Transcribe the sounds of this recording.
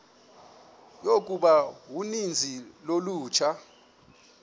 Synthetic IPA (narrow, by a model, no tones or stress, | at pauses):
jok̬ʼuɓawunind͡zʱiloluːt͡ʃʰa